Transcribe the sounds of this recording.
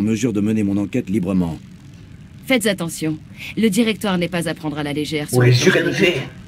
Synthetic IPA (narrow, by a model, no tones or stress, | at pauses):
məzyʁd̪əmənemɔ̃nɑ̃kʲɛt̪libʁəmɑ̰̃ | fɛt̪zat̪ɑ̃sjɔ̃ | ləd̪iʁɛk̚t̪waʁnɛpazapχɑ̃d̪ʁalaleʒɛːʁlezyʁɛt̪əfɛ